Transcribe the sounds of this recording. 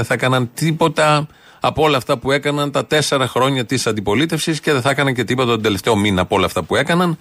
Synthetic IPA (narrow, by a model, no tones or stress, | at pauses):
eθɐekɐnɐnt̪ipo̞t̪ɐ | ɐpo̞lɐft̪ɐpue̞kɐnɐnt̪ɐt̪e̞se̞ɾɐxɾo̞ɲɐt̪isɐnd̪ipo̞lit̪e̞fsisce̞ðeθɐekɐnɐnce̞t̪ipo̞t̪ɐt̪od̪ele̞ft̪e̞o̞minɐpo̞lɐːft̪ɐpue̞kɐnɐn